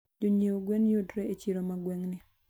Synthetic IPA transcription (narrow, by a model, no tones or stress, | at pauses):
d͡ʒoɲeoɡwenjodɾeet͡ʃiɾomaɡweŋnɪ